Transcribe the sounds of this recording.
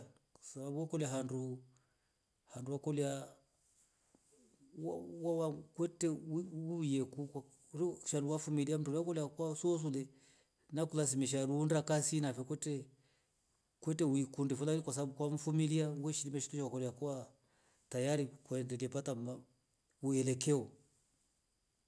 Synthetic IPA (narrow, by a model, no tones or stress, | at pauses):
ksababuɔkɔlɛaɦandu | handuwakɔlia | wawawakwɛtɛiujɛkuk | ɾiʃanduwafumiliam̩dulɔkɔliakwasuɔs̬ulɛ | nakulas̬imiʃ̬aɾuːndakasinafɛkɛtɛ | kwɛtɛwikundifulaɾikwas̬abukwaɱ̩fumiliawɛʃilimɛʃi̥tuʃawakɔliakɔwa | tajaɾikɔɛndɛɡɛpatama | uɛlɛkɛɔ